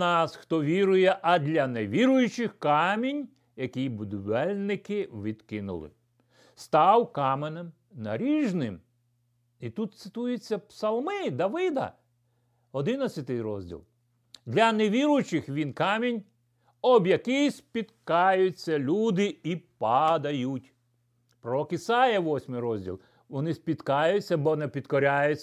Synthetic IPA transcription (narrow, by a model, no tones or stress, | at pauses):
nɑsxt̪ɔʋʲiɾʊjɛʔɐd̪ʲlʲɐneʋʲiɾʊjʊt͡ʃɪxkɑmʲinʲ | jɐkʲijbʊd̪ʊʋɛlʲnɪkɪʋʲid̪kɪnʊ̰lˠɪ̰ | st̪ɑwkɑmenɛm | nɐ̰ɾʲiʒnɪm | it̪ut̪t̪sɪt̪ujʊt͡sʲːɐpsɐlˠmɪd̪ɐʋɪd̪ɐ̰ | ɔd̪ɪnɐt͡sʲɐt̪ɪjɾɔ̰zʲdʲḭlˠ | d̪ʲlʲɐneʋʲiɾʊjt͡ʃɪxʋʲinkɑmʲinʲ | ɔbjɐkijsʲpʲit̪kɑjʊt͡sʲːɐlʲud̪ɪipɐd̪ɐjutʲ | pɾɔɔkisɑjɐʋɔsʲmɪjɾɔzʲdʲḭlˠ | ʋɔnɪsʲpʲit̪kɑjʊt͡sʲːɐbɔnɛpʲit̪kɔɾʲajʊt͡sʲ